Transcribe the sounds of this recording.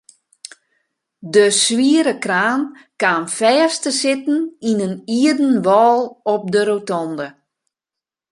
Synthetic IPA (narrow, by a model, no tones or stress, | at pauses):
dəsʋiəɾəkraːn | kaːnfɛːstəsɪtn̩inəniədən̩ʋɔːlˠɔp̚dəɾotɔndə